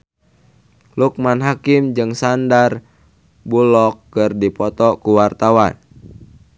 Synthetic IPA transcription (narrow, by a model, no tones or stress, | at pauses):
luk̚manɦakimd͡ʒɨŋsandar | bulɔkːɨrdipɔt̪ɔkuwart̪awan